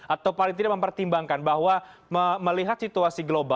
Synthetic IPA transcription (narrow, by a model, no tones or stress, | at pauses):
ʔat̪awpaliŋt̪̬idaməmpərt̪imbaŋkanbaɦwaməməliɦat̪̚sit̪uasiɡloba